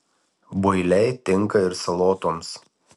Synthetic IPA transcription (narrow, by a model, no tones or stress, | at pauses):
bʊɪlʲɛɪt̪ʲɪŋˑkɐɪɾsɐlˠoːt̪oːms